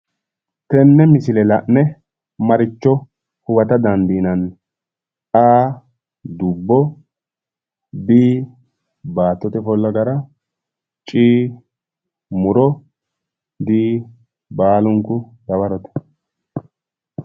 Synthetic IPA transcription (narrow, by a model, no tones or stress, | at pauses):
t̪ɛnːɛmɪsɪlɛlɐʔnːɛ | mɐɾɪt͡ʃːɔ | hʊwɐt̪ɐd̪ɐnd̪iːnɐn | aː | d̪ʊbːɔ | biː | baːt̪ːɔt̪ɛfɔlːɐɡɐɾɐ | t͡ʃʼiː | mʊɾɔ | d̪iː | baːlʊŋkːʊd̪ɐβɐɾɔt̪ɛ̥